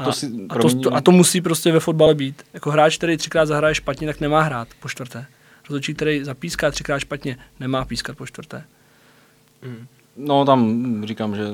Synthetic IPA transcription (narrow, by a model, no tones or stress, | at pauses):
ʔatosɪpɾooɛɲat̪omusiːp̬ɾoscɛvɛfo̞d̪balɛbiːt̪jako̞ɦɾaːt͡ʃk̚t̪ɛɾɛjt̪r̥ɪkɾaːd̪zaɦɾajɛʃpat̪ɲɛt̪aknɛmaːɦɾaːt̪poʃt̪vrt̪ɛː | ɾozot͡ʃiːk̚t̪ɛɾɛjzapiːskaːt̪r̥ɪkɾaːt̪ʃpat̪ɲɛnɛmaːpiːskat̪poʃt̪vrt̪ɛː | not̪amrikaːmʒɛ